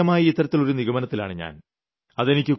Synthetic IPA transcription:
ɐmaːjiit̪ːɐɾɐt̪ːilo̞ɾuniɣɐmɐnɐt̪ːila̰ːɳɨɲa̰ːn | ɐðe̞nikʲːɨ

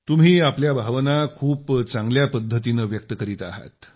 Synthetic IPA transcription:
t̪um̤iːapljabʱaʋnakʰuːpt͡saŋɡljapəd̪ʱːət̪inəʋjək̚t̪əkəɾiːt̪aɦa̰t̪

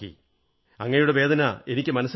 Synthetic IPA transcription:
kːḭ | ɐ̰ŋːɐnejuɽe̞ʋe̞ːd̪ʱɐnɐe̞nikʲːɨmɐnɐsː

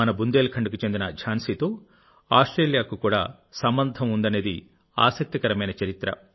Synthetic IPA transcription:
ɐnɐbund̪eːlkʰɐɳɖukut͡ʃend̪inɐd͡ʒʰʱaːnsiːt̪oː | aːsʈɾeːljaːkukuːɽa̰ː | sɐmbɐnd̪ʱɐmund̪ɐne̞ːd̪i | a̰ːsɐk̚t̪ikɐɾɐmɐjnɐt͡ʃɐɾit̪ɾɐ̰

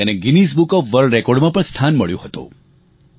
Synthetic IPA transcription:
eneɡinis̬bukɔfʋəɾɖɾɛkɔɾɖmãpəɳst̪ʰanməɭjṵ̃ɦət̪ṵ̃

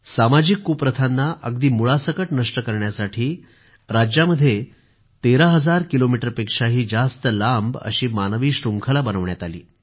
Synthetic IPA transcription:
samad͡ʑikːupɾət̪ʰanːaʔəɡd̪iːmuɭasəkəʈnəʂʈəkəɾɳjasaʈʰiː | ɾad͡ʑjaməd̪ʱːje | t̪eɾaɦəd͡zaɾkilomiʈəɾpekʂaɦiːd͡zast̪əlambə̰ɕiːmanəʋiːɕɾuŋkʰəlabənəʋɳjat̪alḭː

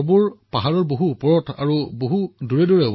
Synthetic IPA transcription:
buɹpaɦaɹɔɹboɦuːpɔɹɔtʰa̰ɹuboɦuduɹɛdɔɹɛ

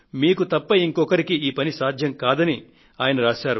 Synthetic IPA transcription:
miːkut̪ɐpːɐiŋkɔkɐɾikiiːpɐnisaːd̪ʱjɐŋkaːd̪ɐni | aːjɐnɐɾaːʃaːɾu

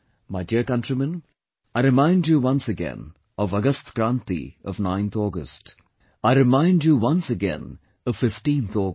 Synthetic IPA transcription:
maɪɖiəɾkʌ̃nʈɾimə̃n | aɪɾɪmãɪ̃ɳɖjuʋʌ̃nsəɡɛ̰̃n | ɔʋʌɡəst̪ɡ̥ɾãːnt̪ḭɔʋnãɪ̃nt̪ʰɔːɡə̰sʈ | aɪɾɪmãɪ̃nɖjuwʌ̃nsəɡɛ̰̃n | ɔvfɪfʈĩːnt̪ʰɔː

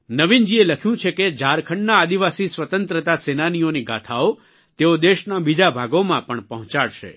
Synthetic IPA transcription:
nəʋind͡ʒieləkʰjũt͡ʃʰeked͡ʒaɾkʰəɳɖnaːd̪iʋasisʋət̪ənt̪ɾət̪asenanijoniɡʱa̰t̪ʰao | t̪eod̪eʃnabid͡ʒabʱaɡomãpəɳpəɦɔ̃t͡ʃaɭʃḛ

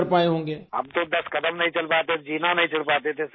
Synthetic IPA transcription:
ɾpaːeɦõːŋɡeːɐ̰bt̪od̪ɐskɐd̪əmnɐɦĩt͡ʃɐlpaːt̪ed͡ʒiːnanɐɦĩt͡ʃʰɐɽpaːt̪et̪ʰe

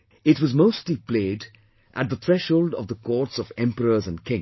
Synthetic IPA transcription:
ɪtwʌzmoʊstˡlipʰleːd | ʔə̰t̪̚ðəθɹɛʃhoʊlˠdʌ̰vðəkʰɔɹtsʌvɛ̃mpəɹəzə̃nkʰɪ̃ŋ

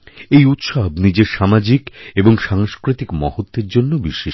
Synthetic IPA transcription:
ejut̪ʃabnid͡ʑeɾʃamad͡ʑikeboŋʃaŋʃkɾit̪ikmɔ̰hot̪ːeɾd͡ʑonːobiʃeʃ

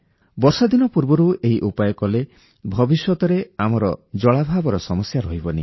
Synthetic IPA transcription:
bɔɾsad̪inɔpuɾbɔɾueɦiʔupajɔkɔle | bʱɔbisjɔt̪ɔɾeamɔɾɔd͡ʒɔɭabʱabɔɾɔsɔmɔsjaɾɔɦibɔni

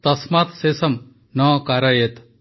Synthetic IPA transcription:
t̪ɐsmat̪sesɐm | nɔkaɾɐjet̪

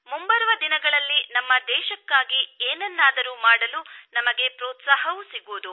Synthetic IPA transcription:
mumbɐɾʋɐd̪inɐɡɐɭɐlːinɐmːɐd̪ɛːʃɐkːaːɡieːnɛnːaːd̪ɐɾumaːɽɐlunɐmɐɡe̞pɾɔːt̪saːɦɐʋusiɡuːd̪u

